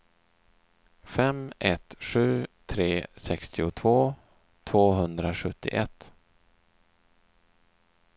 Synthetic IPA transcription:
fɛmɛt̪ɧʉ̟ːt̪ʰɾeːsɛkst̪ɪʊt̪ʰvoː | t̪ʰv̥oːɦɵnd̪ɾaɧɵt̪ːɪ̰ʔɛ̰t̪ː

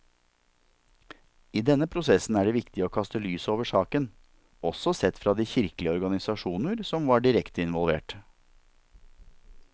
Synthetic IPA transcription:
iːd̪ɛnːəpʰɾʊsɛsn̩æːɖɛʋɪkt̪ɪoːkʰɑst̪əlyːsoːʋəʂɑːkən | ɔsɔsɛt̪fɾɑːd̪iːçɪɾkəlɪəɔɾɡɑnɪsɑʂuːnəɾsɔmʋɑːɖɪɾɛkt̪əɪnʋɔlˠʋḛːʈ

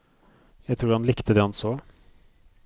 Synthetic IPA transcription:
jæɪt̪ʰɾuːɾhɑnlɪkt̪əd̪ɛɛnsoː

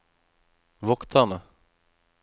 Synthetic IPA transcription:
vɔkt̪ʰanə

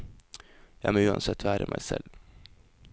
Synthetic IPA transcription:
jɑːmɛʉːansɛt̪ʰːæːɾəmʔɛ̰jsɛ̰l

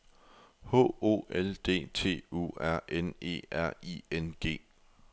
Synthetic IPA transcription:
ho̰o̝̰ːeld̥e̝̰ːt͡sʰe̝̰ːṵːæɐ̰ʔene̝̰ːæɐ̰ienɡ̥e̝̰ː

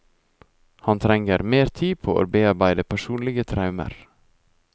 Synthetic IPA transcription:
hɑnt̪ʰɾɛŋəɾmeːɾt̪ʰiːpʰoːʔo̰ːɾbeːɑɾbæɪd̪əpʰæʃuːnlɪɡət̪ʰɾɑʉmə̰ɾ

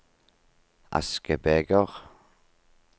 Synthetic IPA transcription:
a̰skəbeːɡɔʁ

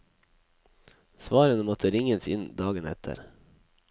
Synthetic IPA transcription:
sʋɑːɾənəmɔt̪ʰəɾɪŋənsɪ̰nd̪ɑːɡənɛ̰t̪ʰə̰ɾ

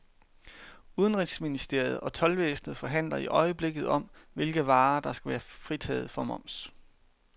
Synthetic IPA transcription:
uð̞ˠənʁid̥sminisd̥e̝ɐ̰jð̞̩ˠɒ̽t͡sʰɒ̽lʋeːsn̩ð̞̩ˠfɒ̽ɦæn̰lɐiʔɒ̽ɪəb̥le̝ɡ̥ð̞̩ˠɒ̽m̰ʋe̝lɡ̥əʋɑ̈ːd̥ɑ̈sɡ̥æʋæːɐfʁit͡sʰɛ̰ːð̞̩ˠfɒ̽mɒ̽m̰s

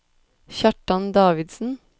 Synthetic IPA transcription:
çɑʈɑnd̪ɑːʋɪd̪sn̩

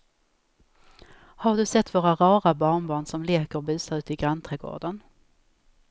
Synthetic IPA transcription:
haɖɵsɛt̪ːvoːɾaɾɑːɾabɑːɳbɑːɳsɔmleːkəɾɔbʉ̟ːsaʉ̟ːt̪ɪɡɾant̪ʰɾɛɡo̰ːɖən

